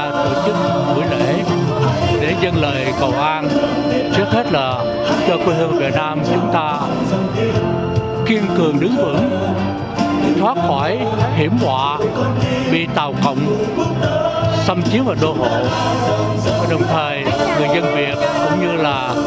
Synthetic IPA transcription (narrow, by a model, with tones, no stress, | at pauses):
t̪o̰˧˨t͡ɕɨ˦˥k̚ | h̪ṵ˧˩jlḛ˧˩˨ | ɗe˧˩zə˧nləː˨˩jkə̰˧˩˨wʔaː˧n | t͡ɕɨ˦˥ək̚he˦˥t̚laː˨˩ | sa˦˥t̚kəː˧kwi˧hə˧˩vaː˨˩vi˨˩t̚naː˧mt͡ɕʊ˨˦ŋ͡mt̪aː˧ | ki˧ənkɨ˨˩əŋɗɨ˨˦ŋvɨ̰˧˥ŋ | t̪ʰwaː˦˥t̚xɔ˧˩j | hi˧˩əmhwa̰ː˧˨ | vḭ˧˨t̪a̰ː˧˨wkə̰˧˨wŋ͡m | sə˧mt͡ɕi˨˦əŋvaː˨˩ɗo˧ɦo̰˧˨˦ | ɗə˨˩wŋ͡mt̪ʰəː˨˩jŋɨ˨˩əjzə˧nvi˨˩ət̚kʊ̰˧˥wŋ͡mɲɨ˧laː˨˩